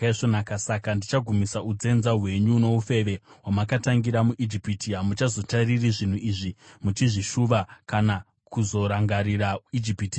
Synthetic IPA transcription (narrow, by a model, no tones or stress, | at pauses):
ʐonakasakandit͡ʃaɡʱumisaud͡ze̞nzaɦwe̞ɲuno̞ufe̞ʋe̞wamakataŋɡiɾamuʔid͡ʒipitiamut͡ʃazo̞taririʐin̤uiʐimut͡ʃiʐiʃuʋakana | kuzo̞ɾaŋɡaɾiraid͡ʒipitia